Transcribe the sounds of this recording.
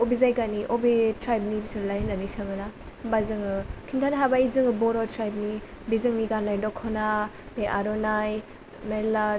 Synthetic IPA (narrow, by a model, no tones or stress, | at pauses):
ɔbizajɡaniʔobetɾajb̚nibisɯɾlajhnanisɯŋɯna | bazɯŋɯkʰintʰaniɦabaizɯŋɯbɔɾɔtɾajb̚ni | bizɯŋniɡanːajdɔkʰɔna | beʔaɾɔnaj | mela